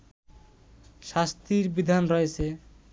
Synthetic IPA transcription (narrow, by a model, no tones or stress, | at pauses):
ʃast̪iɾbid̪ʱanɾɔet͡ɕʰe